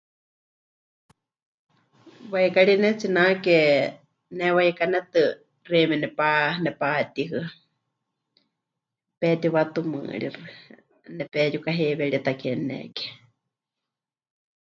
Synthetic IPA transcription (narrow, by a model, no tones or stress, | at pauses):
wajkaɺinɛt͡sinakɛ | nɛwajɛkanɛt̪ɨ | remɛnɛpanɛpaːt̪iɦɨ | pɛt̪iwat̪umɨ̰ːɺḭrɨ | nɛpɛjukaɦeβɛɺit̪akɛnɛ̰kɛ̥